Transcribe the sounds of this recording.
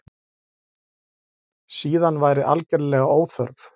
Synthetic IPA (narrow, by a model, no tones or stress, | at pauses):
siːðanvaːjɾɪʔa̰lcɛɾlɛːɣaoːwθœɾv